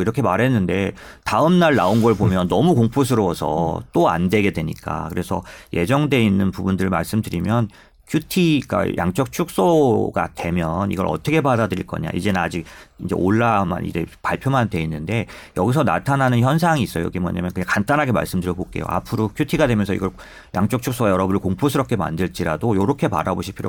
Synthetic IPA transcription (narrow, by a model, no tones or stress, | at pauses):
iɾʌkʰe̞maɾɦe̞nːɯnde̞ | taɯmnaɭnaonɡʌɭbomjʌnːʌmukoŋpʰos̬ʰɯɾʌwʌsʰʌ̰t͈oa̰ndwe̞ɡe̞dwe̞ɲik͈a̰kɯɾe̞sʰʌjʔe̞̰d͡ʑʌŋdwe̞inːɯnpubundɯɭma̰ɭs͈ɯmdɯɾimjʌn | kʰjutʰiɡa̰jʔa̰ŋt͡ɕ͈ʌk̚t͡ɕʰuk̚s͈oɡa̰d̥we̞mjʌnḭɡʌ̰ɾʌ̰t͈ʌkʰe̞badadɯɾiɭk͈ʌ̰ɲa̰ḭd͡ʑe̞nɯnad͡ʑik̚ind͡ʑe̞̰ʔoɭːama̰nḭd͡ʑe̞paɭpʰjomandwe̞inːɯnde̞ | jʌɡis̬ʰʌna̰tʰanɦanɯnçjʌns̬ʰaŋiːs͈ʌjo̰ɡimwʌ̰ɲamjʌnkɯɲaŋkant͈anɦaɡema̰ɭs͈ɯmdɯɾjʌk͈ok͈e̞̰jo̰ʔa̰pʰɯɾokʰjutʰiɡadwe̞mjʌnsʰʌḭɡʌɭ | jaŋt͡ɕ͈ʌk̚t͡ɕʰuks͈oɡajʌɾʌbɯnɯɭkoŋpʰosʰɯɾʌp̚k͈ʰe̞ma̰ndɯɭt͡ɕ͈iɾadojoɾʌkʰe̞pa̰ɾaboɕʰipʰiɾjo̰